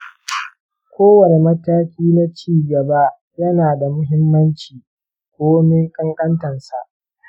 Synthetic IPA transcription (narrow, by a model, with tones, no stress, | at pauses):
kʷoː˦wɐ˨ne˨mɐ˦taː˦kʲiː˦na˦t͡ʃiː˦˨ɡɐ˨ba˦ | jɐ˦naː˨da˨mʊ˦ɦɪ˦mːɐ˦nt͡ʃiː˨ | kʷoː˦me˦kʼɐ˦ŋkʼɐ˦ntɐ˨nsa˨ʔ